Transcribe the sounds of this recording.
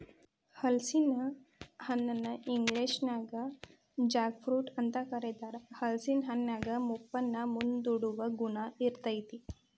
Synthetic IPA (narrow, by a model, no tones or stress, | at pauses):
həlsinahanːənːəʔiŋɡleɕnaɡa | d͡ʑakfɾuːʈənt̪akəɾed̪aɾhəlsinɦanːaɡəmupːənːamund̪uɽuʋəɡunaiɾt̪əjt̪i